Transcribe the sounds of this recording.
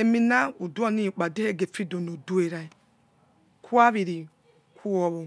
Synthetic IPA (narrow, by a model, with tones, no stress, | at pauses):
e˨mi˦na˦u˨du˦a˦nĩ˦˨k͡pa˨de˦he˦˨ɡe˨fi˦do˨no˨du˦e˨ɾa˦i˦ | kʰu˦a˦βi˨ɾi˨ | kʰu˦o˦βo˨